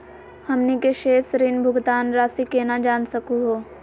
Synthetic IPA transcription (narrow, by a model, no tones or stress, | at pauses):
hɐmnikeʃeːsɾɪnbʱʊɡt̪aːnɾaːsikeːnad͡ʒaːnsɐkuɦoː